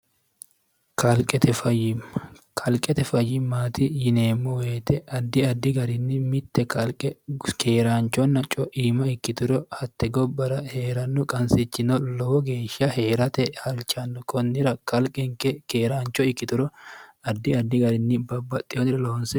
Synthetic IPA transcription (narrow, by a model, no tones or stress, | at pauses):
kʰɐlkʼɛt̪ɛfɐjɪm | kʰɐlkʼɛt̪ɛfɐjɪmːaːt̪ɪjɪneːmːɔweːt̪ɛʔɐd̪ːɪɐd̪ːɪɡɐɾɪnːɪmɪt̪ːɛkɐɛkʰeːɾaːnt͡ʃɔnːɐt͡ʃʼɔʔiːmɐɪkːɪt̪ʊɾɔhɐt̪ːɛɡɔbːɐɾɐheːɾɐnːʊkʼɐnsɪt͡ʃːɪnɔloːɡeːʃɐhe̞ːɾɐt̪ɛhɐlt͡ʃɐnːʊkʰɔnːɪɾɐkɐlkʼɛŋkɛkeːɾaːnt͡ʃɔɪkːɪt̪ʊɾɔɐd̪ːɪɐd̪ːɪɡɐɾɪnːɪbɐbːɐt̪ʼːɪɔnɪɾɐloːnsɛ